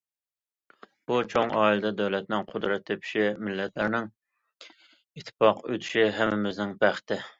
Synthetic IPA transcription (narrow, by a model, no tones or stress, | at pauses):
b̥ut͡ʃʰoŋɑːilɨd̪ɛd̪ɛwlɛt̪̚nɪŋqʰʊd̪ɾɛt̪ʰːepʰi̥ʃimɪlːɛt̪læɾnɪŋ | it̪ʰːɪ̥pɑqøt̪ʰy̥ʃiɦɛmːɪmɪznɪŋpʰæχt̪ɪ